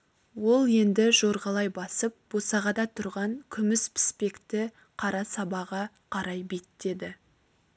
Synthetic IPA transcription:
wo̞lˠje̞nd̪ɪʒo̞ɾʁɑlˠɑjbɑsəp̚b̥o̞sɑʁɑd̪ɑt̪ʰʊɾʁɑŋkʲʰʏmɪspʰɪ̥spe̞kt̪ɪ | qʰɑɾɑsɑbɑʁɑ | qʰɑɾɑjbet̪t̪e̞d̪ɪ

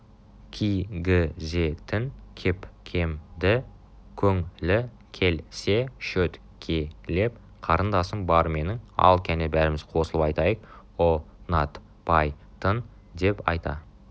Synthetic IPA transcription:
kʲʰijɡʲɪzet̪ʰɪnkʲʰepkʲʰe̞md̪ɪ | kʲʰɵŋlɪ | kʲʰe̞lse̞ʃɵt̪ | kʲʰele̞p̚ | qʰɑɾənd̪ɑsəmbɑɾme̞nɪŋɑ̰lˠkʲʰænebæɾɪmɪz̥qʰo̞səlˠəpɑjt̪ɑjəq̚ | onɑt̪ | pʰɑj | t̪ʰən | d̪e̞pɑ̰jt̪ɑ̰

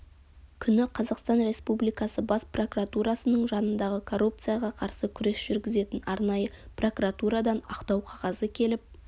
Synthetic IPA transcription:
kʲʰʏnɪqʰɑzɑqst̪ɑnre̞spublijkɑsəbɑspro̞kuɾat̪uɾɑsənəɴʒɑnənd̪ɑʁəkʰo̞rːup̚t̪sɨjaɑʁɑqʰɑɾsəkʲʰʏɾesʒ̥ʏɾɡʲɪze̞t̪ɪnɑɾnɑjəpro̞kuɾat̪uɾɑd̪ɑnɑqt̪ɑwqʰɑʁɑzəkʲʰe̞lɪp̚

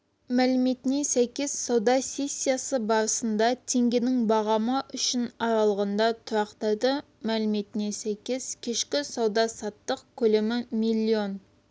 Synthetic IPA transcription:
mælɪmet̪ɪnesæjkʲe̞zsɑwd̪ɑsʲe̞sʲːijasəbɑɾəsənd̪ɑt̪ʰe̞ŋɡʲenɪŋbɑʁɑməʔʏʃɪnɑɾɑlˠəʁənd̪ɑt̪ʰʊɾɑqt̪ɑjd̪ə | mælɪme̞t̪ɪnesæjkʲe̞z̥kʲʰeʃkʲɪsɑwd̪ɑsɑt̪ːəqkʲʰɵlemɪmilʲˠːio̞n

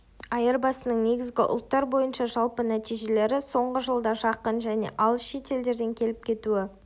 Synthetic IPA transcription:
ɑjəɾbɑsənəɴne̞ɡʲɪzɡʲɪʔʊ̰lˠt̪ːɑɾbo̞jənʃɑʒɑlˠpənæt̪ijʒe̞le̞ɾɪso̞ɴʁəʒəlˠd̪ɑʒɑqənʒæne̞̰ʔɑlˠʃe̞t̪e̞ld̪e̞ɾd̪e̞ŋkʲʰe̞lɪp̚kʲʰe̞t̪uɪ

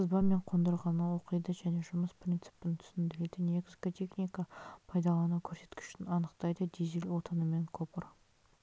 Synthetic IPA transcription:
səzbɑme̞ɴqʰo̞nd̪əɾʁɑnəwo̞qəjd̪əʒæne̞ʒʊməsprʲint̪sɨ̥pɪnt̪ʰʏ̥sɪnd̪ɪle̞t̪ɪnekskot̪ʰʲe̞χnʲijkapʰɑjd̪ɑlˠɑnukʲʰɵɾse̞̥t̪kʲɪ̥ʃɪnɑnəqt̪ɑjd̪əd̪ezilʲwo̞t̪ənəme̞ŋkʰopəɾ

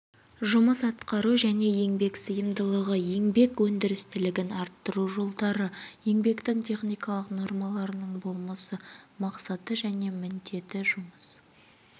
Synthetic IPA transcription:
ʒʊməsɑt̪qɑɾuʒæne̞je̞ŋbe̞ksəjəmd̪əlˠəʁəje̞ŋbe̞kwɵnd̪ɪɾɪst̪ɪlɪɡʲɪnɑɾt̪ːəɾuʒo̞lˠd̪ɑɾəje̞ŋbe̞kt̪ɪŋt̪ʰʲe̞χnijkɑlˠəqno̞ɾmɑlˠɑɾənəɴbo̞lˠmɑsəmɑqsɑt̪əʒæne̞mɪnd̪e̞t̪ɪʒʊməs

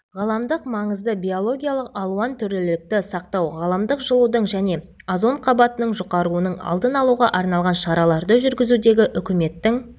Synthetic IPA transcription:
ʁɑlˠɑmd̪əqmɑɴəzd̪əbʲijo̞lˠo̞ɡʲijalˠəqɑlˠuɑnt̪ʰʏɾelɪk̚t̪ɪsɑq̚t̪ɑwʁɑlˠɑmd̪əqʒəlˠud̪əɴʒæne̞ | azo̞ɴqʰɑbɑt̪ənəɴʒoqɑɾuənəɴɑ̰lˠd̪ənɑlˠuʁɑʔɑɾnɑlˠʁɑnʃɑɾɑlˠɑɾd̪əʒʏɾɡʲɪzud̪e̞ɡʲɪʔʏkʲɪme̞t̪ːɪŋ

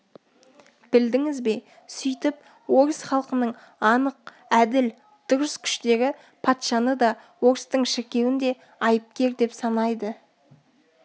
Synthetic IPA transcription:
b̥ɪld̪ɪŋɪzbe̞ | sʏjt̪ɪp | wo̞ɾsχɑlˠqənəɴ | ɑnəq̚ | æd̪ɪl | d̪̥ʊɾəskʲʰʏ̥ʃt̪e̞ɡʲɪ | pʰɑt̪ʃɑnəd̪ɑ | wo̞ɾst̪əɴʃɪɾkʲe̞wɪnd̪e̞ | ɑjəp̚kʲe̞ɾd̪e̞psɑnɑjd̪ə

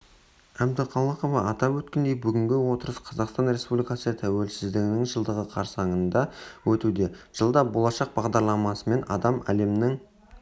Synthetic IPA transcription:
æb̚d̪ɪqʰɑlˠɑqovɑɑt̪ɑpwɵt̪kʲend̪e̞jbʏɡʲɪŋɡʲɪwo̞t̪əɾəsqʰɑzɑqst̪ɑnɾe̞spublʲijkɑsət̪ʰæwe̞lsɪzd̪ɪɡʲɪnɪŋʒəlˠd̪əʁəqʰɑɾsɑŋənd̪ɑwɵt̪ud̪e̞ʒ̥əlˠd̪ɑbo̞lˠɑʃɑq̚bɑʁd̪ɑɾlˠɑmɑsəme̞nɑ̰d̪ɑmæ̰le̞mnɪŋ

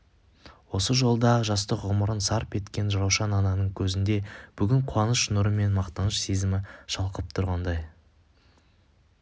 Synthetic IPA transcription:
wo̞səʒo̞lˠd̪ɑʒɑs̬t̪əqʁʊməɾənsɑɾpe̞t̪kʲe̞nʒɑɾɑwʃɑnɑnɑnəɴkʲʰɵzɪnd̪e̞b̥ʏɡʲɪɴqʰʊɑnəsʃnʊɾəme̞nmɑqt̪ɑnəʃsezɪmɪʃɑlˠqəp̚t̪ʰʊɾʁɑnd̪ɑj

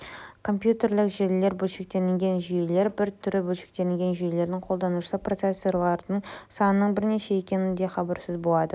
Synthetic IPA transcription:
kʰo̞mpjut̪e̞ɾlɪkʒele̞ɾbɵlʃek̚t̪e̞nɪŋɡʲe̞nʒʏjele̞ɾbɪɾt̪ʰʏɾɪbɵlʃek̚t̪e̞nɪŋʲɡʲe̞nʒʏjele̞ɾd̪ɪŋqʰo̞lˠd̪ɑnuʃəsəpro̞t̪sesːo̞ɾlˠɑɾd̪əɴsɑnənəɴbɪɾne̞ʃe̞e̞kʲe̞nɪnd̪e̞χɑbɑɾsɪzbo̞lˠɑd̪ə

